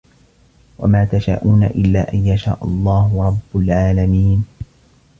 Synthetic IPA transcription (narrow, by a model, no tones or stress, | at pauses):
wa̰maːt̪aʃa̰ːʔuːnaʔɪlːa̰ːʔanjaʃa̰ːʔʊlˤːɑːhʊɾˤɑbːʊlʕaːlamiːn